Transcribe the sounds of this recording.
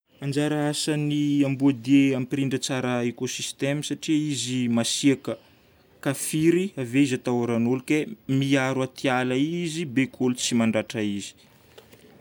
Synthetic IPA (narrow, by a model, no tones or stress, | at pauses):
and͡ʒaɾaasaniambuad̪ieampiɾiɳɖ͡ʐət͡saɾəekosist̪emisaʈ͡ʂiizimasiakə | kafiɾiaveizat̪awɾanulukemiaɾwat̪ʰialaizibekʰolut͡simaɳɖ͡ʐaʈ͡ʂaizi̥